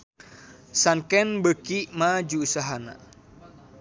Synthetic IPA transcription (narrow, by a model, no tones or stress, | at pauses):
sankɛnbəkimad͡ʒuːsaɦana̰